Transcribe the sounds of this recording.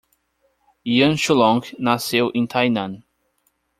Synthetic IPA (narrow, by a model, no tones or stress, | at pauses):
iɐ̃nʃulɔ̃ŋknasewʔẽt̪ʰajnɐ̃n